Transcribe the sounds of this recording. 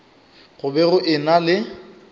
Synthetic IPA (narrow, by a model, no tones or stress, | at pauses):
ɣʊbɛɣʊʔɪnalɪ